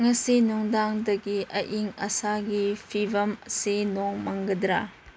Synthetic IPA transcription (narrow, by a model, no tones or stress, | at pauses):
ŋɐsinuŋdaŋdɐɡiʔɐ̰ʔiŋɐsaɡipʰibɐmsinoŋmɐŋɡɐdɾa